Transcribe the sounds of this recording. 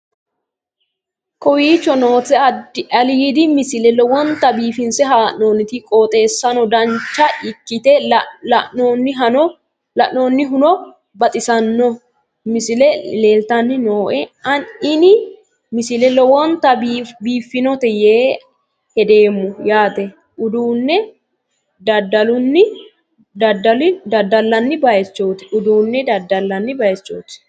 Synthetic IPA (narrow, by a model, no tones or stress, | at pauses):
kʰʼɔwiːt͡ʃːɔnoːt̪ɛɐliːd̪ɪmɪsɪlɛlɔwɔnt̪ːɐbiːfɪnsɛɦaːʔnoːnːɪt̪ɪkʼoːt̪ʼe̞ːsːɐnɔd̪ɐnt͡ʃːɐɪkːɪt̪ɛɐʔɔnːɪɦɐnɔ | lɐʔnoːnːɪɦʊnɔ | bɐt̪ʼɪsɐnːɔ | mɪsɪlɛleːlt̪ɐnːɪnoːʔɛɐnɪnɪ | mɪsɪlɛlɔwɔnt̪ɐbiːfːɪnɔt̪ɛjeː | hɛd̪e̞ːmːʊjaːt̪ɛ | ʊd̪uːnːɛ | d̪ɐd̪ɐlʊnːɪ | d̪ɐd̪ɐlɪd̪ɐd̪ɐlːɐnːɪbɐjɛt͡ʃːoːt̪ɪ̥ʊd̪uːnːɛd̪ɐd̪ːɐlːɐnːɪbɐjɛt͡ʃːo̰ːt̪ɪ̥